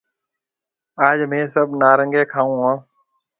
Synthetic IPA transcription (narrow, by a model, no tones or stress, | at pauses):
aːd͡ʒmẽːsəbʱnaːɾəŋɡeːkʰaːũːɦãː